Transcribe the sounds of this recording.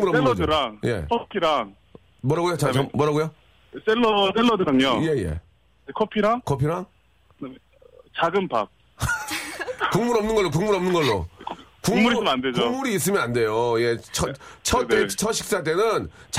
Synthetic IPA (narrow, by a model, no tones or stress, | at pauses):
ŋmuɾʌmnɯnːɡʌd͡ʑɯɾaŋje̞̰kʰopʰiɾaŋ | mwʌɾaɡujot͡ɕaʌmʌɾaɡujo | s͈elːʌs͈elːʌdɯɾaŋoje̞jḛ | kʰopʰiɾakʰopʰiɾaŋ | t͡ɕaɡɯmpak̚ | kuŋmuɾʌmnɯnɡʌɭːok̬uŋmuɾʌmnɯnɡʌɭːokuŋmuɾisɯnanded͡ʑoŋmuɾiːs̬͈ɯmjʌnande̞joje̞t͡ɕʰʌt͡ɕʰʌt͈et͡ɕʰʌɕʰi̥k̚s͈at̬͈e̞nɯnt͡ɕ